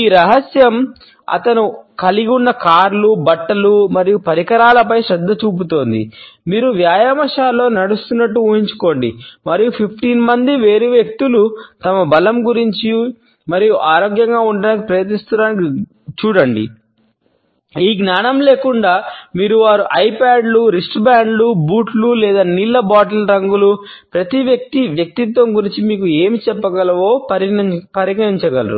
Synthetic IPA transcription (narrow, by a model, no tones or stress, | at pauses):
iːɾɐɦɐsjɐm | ɐ̰t̪ɐnukɐliɡunːɐkaːɾlubɐʈːɐlumɐɾijupɐɾikɐɾaːlɐpɐjʃɾɛd̪ːɐt͡ʃuːp̬ut̪o̞ːnd̪ḭmiːɾuʋjaːjɐmɐʂaːlːo̞ːnɐɽust̪unːɐʈːuuːɦiɲt͡ʃu̥ko̞ːɳɖḭmɐɾijupʰipʰʈiːnmɐnd̪iʋeːɾuʋjek̚t̪ulut̪ɐmɐbɐlɐmɡuɾiɲt͡ʃi | mɐɾijuʔaːɾoːɡjɐŋɡaːuɳɖɐnikipɾɐjɐt̪nist̪unaːniki | t͡ʃuːɽɐɳɖḭ | iːɡnaːnɐmleːkuɳɖaːmiːɾuʋaːɾuʔɐjpaːɖluɾisʈbaːɳɖlubuːʈlulɛːd̪aːnilːɐbaːʈɐlɾɐŋɡulu | pɾɐt̪iʋjɐk̚t̪iʋjɐk̚t̪it̪ʋɐmɡuɾiɲt͡ʃimiːkue̞ːmit͡ʃɛpːɐɡɐlɐʋo̞ːɐɾipɐɾiɡɐɾiɲt͡ʃɐɡɐlɐɾṵ